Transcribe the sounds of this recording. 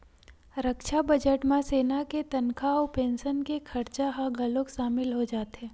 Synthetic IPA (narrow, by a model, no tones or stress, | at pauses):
ɾəkʃabɐd͡ʒəʈmãseːnaket̪ɐnkʰaɔːpẽːnʃənkekʰɐɾt͡ʃaɦaɡɐlokʃaːmɪlɦod͡ʒaːt̪ɦɛː